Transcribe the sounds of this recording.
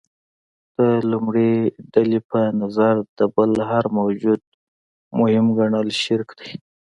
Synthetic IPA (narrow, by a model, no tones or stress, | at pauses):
d̪̥əlumɽeɖalepənazaɾd̪əbəlɦaɾmawd͡ʒud̪̚ | mʊhɪmɡaɳalʃɪɾkd̪aj